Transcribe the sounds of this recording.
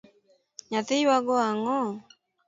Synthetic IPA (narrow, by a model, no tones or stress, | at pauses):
ɲatejwaɡɔaŋɔ